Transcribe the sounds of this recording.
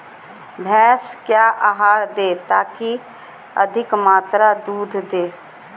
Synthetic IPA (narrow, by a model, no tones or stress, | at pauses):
bʱɛːskjaːʔaːɦaːɾd̪eːt̪aːki | əd̪ʱɪkmaːt̪ɾad̪uːd̪ʱd̪eː